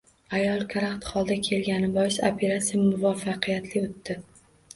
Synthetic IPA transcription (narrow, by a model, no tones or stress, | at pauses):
ajɒlˠkʰaɾakt̪χɒlˠd̪akʲʰe̞lɡʲanɪbɒjɪso̰pʰe̞ɾat̪sijamʊvafːɑqʰɨjat̪lɪot̪ːɪ